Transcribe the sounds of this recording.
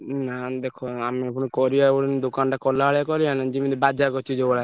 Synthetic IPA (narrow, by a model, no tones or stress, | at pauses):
nad̪ekʰoameapuɽ̃ikɔɾiaoɽind̪okanʈakɔlaaɭjakɔɾianad͡ʒimid̪ibad͡ʒakɔt͡ʃʰid͡ʒeɔɽa